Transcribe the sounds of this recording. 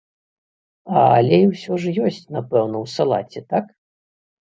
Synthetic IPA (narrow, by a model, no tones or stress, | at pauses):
alʲɛiwsʲɔʐjɔsʲt͡sʲnapɛwnɐwsalˠa̰t͡sʲɛt̪ak